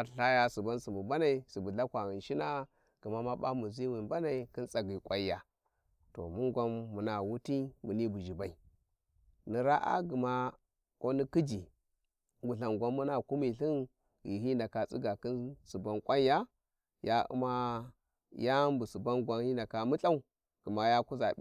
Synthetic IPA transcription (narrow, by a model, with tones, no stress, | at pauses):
a˨ɬa˦ja˦su˨ba˦nsu˨mu˨ba˦na˨i˨su˨bu˨ɮa˦kʷa˨ɣi˨nʃi˦na˦ | ɡ̥u˨ma˦ma˦ba̰˦mu˨zi˦wi˨nba˦na˨i˨ki˦nt͡sa˨ɡi˨kʷwa˦ja˨ | to̰˨mu˦ŋɡʷa˦mːu˨na˨wu˦ti˦mu˨ni˦bu˨ʒi˨ba˨i˨ | ni˨ɾa˦ʔa̰˦ɡu˨ma˦ | ko˦ni˦ki˦d͡ʒi˨ | ɡu˨ɬa˨ŋɡʷa˦mːu˦na˨ku˦mi˨ɬi˦n | ɡi˨ɦi˦nda˨ka˨t͡sḭ˦ɡa˨ki˦nsu˨ba˨nkʷʼa˦n˦ja˦ | ja˦ṵ˦ma˦ | ja˦mbu˨su˨ba˦nɡʷa˦nhi˦nda˨ka˨mu˦ɬa˦u˦ | ɡ̥u˨ma˨ja˦ku˦za˨˦